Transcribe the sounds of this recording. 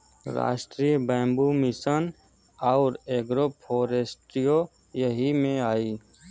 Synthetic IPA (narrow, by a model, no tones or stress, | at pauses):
ɾa̰ːʃʈɾiːbɛ̃ːmbumɪsən | aːɾeːɡɾopʰoːɾesʈijo | jəɦimẽaːiː